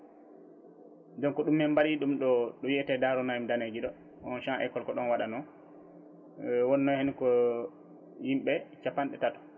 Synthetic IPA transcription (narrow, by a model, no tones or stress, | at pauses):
dɔnkɔɗumːɛmbaɾiɗumɗɔɗɔjɛtɛdaɾɔnajmdaned͡ʒiɗɔ | ɔnʃaʔɛ̰kɔlkɔɗɔnwaɗanɔ | wɔnːɔhenikɔ | jimɓɛt͡ʃapanɗɛtatɔ̥